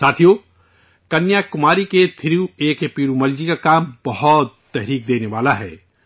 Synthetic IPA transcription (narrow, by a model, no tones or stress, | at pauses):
saːt̪ʰijoː | kɐnjakʊmaːɾiket̪ʰɪɾiueːkepiːɾumɐld͡ʒikakaːmbɐɦɔt̪ːɛɦɾiːk̚d̪eːneʋaːlaɦɛ̰ː